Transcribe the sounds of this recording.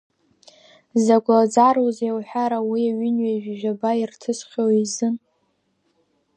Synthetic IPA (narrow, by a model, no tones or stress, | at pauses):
zaɡʷad͡zarozawħʷᶣaɾawiaɥʏnɥaʒᶣʒᶣabairtʰɨsχʲowizɨn